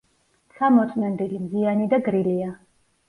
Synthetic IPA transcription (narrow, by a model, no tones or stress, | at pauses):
t̪sʰamɔt̪sʼmɛnd̪ilimzianid̪aɡɾilia